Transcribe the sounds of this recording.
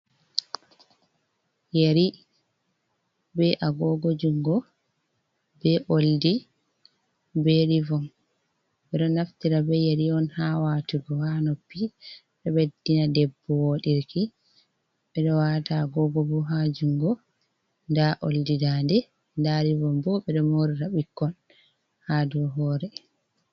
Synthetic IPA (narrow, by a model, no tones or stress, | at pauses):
jeɾi | bɛʔaɡɔɡɔd͡ʒuŋɡɔ | bɛʔoldi | beɾivɔm | bɛɗɔnaftiɾabɛjeɾiɔnhawaːtuɡɔhanopːi | ɗɛɓedːinadɛbːɔwoɗiɾki | ɓɛɗɔwataɡɔɡɔbɔɦad͡ʒuŋɡɔ | ndaʔo̰ldidandɛ | ndaɾivɔmbɔɓɛɗɔmoɾiɾaɓikːɔn | hadɔɦɔːɾɛ